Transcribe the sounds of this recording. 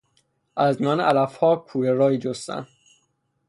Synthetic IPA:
ʔæzmijɒːnʔælæfhɒːkʰuːjeɾɒːiːd͡ʒost̪æ̰n

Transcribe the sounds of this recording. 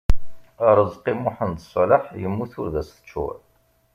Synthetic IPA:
əɾˤəzqimʊħənd̪əsˤləħjəmːuθʊɾðæsθə̥t͡ʃːṵʕ

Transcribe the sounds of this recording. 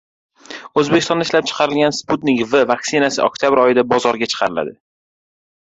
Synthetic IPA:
ɵzbekʲɪst̪ɔɒnd̪aɪʃlap̚t͡ʃʰɨ̥qʰɑɾɪlɡʲansput̪nɪkvɪvaksɪnasɪɒ̰k̚t̪ʰjabɪɾɒjɪd̪abɒzɒɾɡʲat͡ʃʰɨ̥qʰɑɾɪla̰d̪ɪ

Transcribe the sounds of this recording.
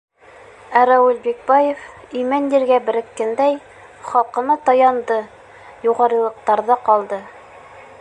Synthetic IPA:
æɾæwɘlbik̚bɑjef | imænjiɾɡæbɘ̆ɾɘ̆kːɘnd̪æj | χɑlˠqɤ̆nɑt̪ɑjɑnd̪ɤ | juʁɑɾɤ̆lˠɤ̆q̚t̪ɑɾðɑqɑlˠd̪ɤ

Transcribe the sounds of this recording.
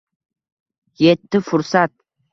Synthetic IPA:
jet̪ːɪfʊɾsat̪̚

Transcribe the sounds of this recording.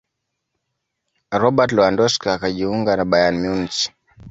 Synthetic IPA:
ɾɔɓatlɔandɔskaakaʄiuŋɡanaɓajanmunsi̥

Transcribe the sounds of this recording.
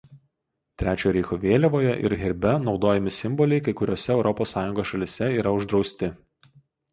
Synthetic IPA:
t̪ʲɾʲæːt͡ʃʲoːjɾʲɛɪxoʋʲeːlʲɛʋoːjɛʔɪ̰ɾɣʲɪɾʲbʲɛnɒʊd̪oːjɛmʲɪsʲɪmbɔlʲɛɪkɐɪkʊɾʲoːsʲɛɛʊɾɔpoːsːɑːjʊŋɡoːsʃɐlʲɪsʲɛiːɾɐʊʒd̪ɾɒʊsʲt̪ʲɪ

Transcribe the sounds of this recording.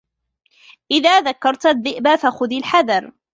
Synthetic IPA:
ʔɪðaːðakːɑɾˤt̪aðːɪʔbafaxʊðilħaðɑɾˤ

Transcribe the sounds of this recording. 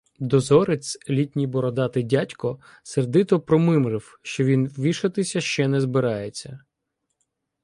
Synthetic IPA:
d̪ɔzɔɾet͡sʲlʲitʲnʲijbɔɾɔd̪ɑt̪ɪdʲatʲkɔ | serd̪ɪt̪ɔpɾɔmɪmɾɪw | ʃt͡ʃɔʋʲinʋʲiʃɐt̪ɪsʲɐʃt͡ʃɛnɛzbɪɾɑjet͡sʲːɐ

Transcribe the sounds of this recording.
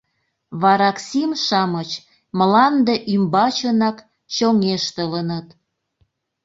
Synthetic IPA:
βɑɾɑksimʃɑmət͡ɕ | məlɑnd̪eʔymbɑt͡ɕənɑk | t͡ɕoŋeʃt̪ələnət̪

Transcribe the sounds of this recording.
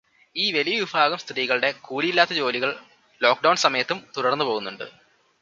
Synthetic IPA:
iːʋelijɐʋibʱaːɣɐmst̪ɾiːɣɐɭɨɽe̞kuːɽijilːaːt̪ːɐt͡ɕo̞ːliɣɐɭ | lo̞ːk̚ɖɐwɳsɐmɐjɐt̪ːumt̪uɽɐrnːɨpo̞ːɣunːuɳɖɨ̰

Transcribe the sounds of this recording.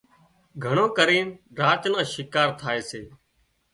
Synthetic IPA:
ɡʱəɳõːkəɾiːnɾaːt͡ʃnãːʃɪkaːɾt̪ʰaːeːseː

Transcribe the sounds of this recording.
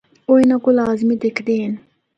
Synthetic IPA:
onakolaːzimid̪ekd̪eːn

